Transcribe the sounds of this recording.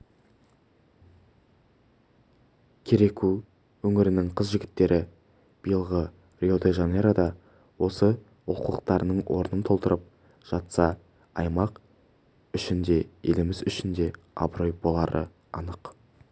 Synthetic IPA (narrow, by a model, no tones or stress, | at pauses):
kʲʰeɾe̞kʲu | wɵŋɪɾɪnɪŋqʰəzʒɪɡʲɪt̪ːe̞ɾʔɪ | b̥ijəlˠʁə | rʲiod̪eʒɑne̞ɾad̪ɑ | wo̞sə | woquəqt̪ɑɾənəɴwʔo̞̰ɾnənt̪ʰo̞lˠt̪əɾəp̚ | ʒ̥ɑt̪sɑ | ɑjmɑq | ʏʃɪnd̪e̞elɪmɪzʏʃɪnd̪e̞ | ɑ̰bɾo̞jbo̞lˠɑɾə̰ | ɑnəq